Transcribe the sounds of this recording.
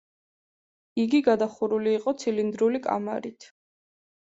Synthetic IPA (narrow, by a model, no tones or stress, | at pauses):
iɡiɡad̪aχuɾuliːqʼɔt̪sʰilind̪ɾulikʼa̰ma̰ɾit̪ʰ